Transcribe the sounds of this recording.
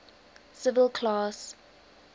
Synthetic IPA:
sɪvəlkʰlɑs

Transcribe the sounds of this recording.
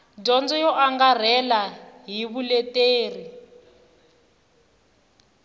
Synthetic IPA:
ɟɔnd͡zɔjɔʔaŋɡar̤ɛlaɦiβulɛteːri

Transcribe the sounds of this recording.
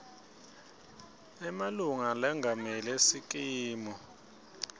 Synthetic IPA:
ɛmaluŋalɛŋɡʱamɛlesikʼiːmɔ

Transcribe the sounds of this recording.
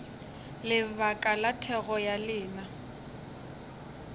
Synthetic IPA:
lɪβakʼalatʰɛɣɔjalɪːna

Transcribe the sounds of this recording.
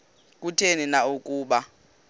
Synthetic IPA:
k̬ʼutʰeninaukʼuːɓa

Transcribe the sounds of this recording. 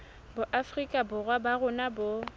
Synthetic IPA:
bʊʔafrikʼabʊrwabaɣʊnabʊ

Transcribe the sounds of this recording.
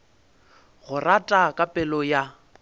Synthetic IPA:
ɣʊratʼakʼapʼɛlɔja

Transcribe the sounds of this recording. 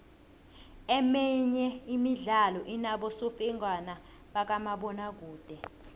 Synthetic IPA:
ɛmɛɲɛimiɮalɔʔinaɓɔsofɛŋwana | ɓak̬amaɓɔnak̬uːd̥ʱɛ

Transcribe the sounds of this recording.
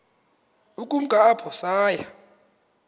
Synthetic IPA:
ukʼum̩kʼaːpʰɔsaːja

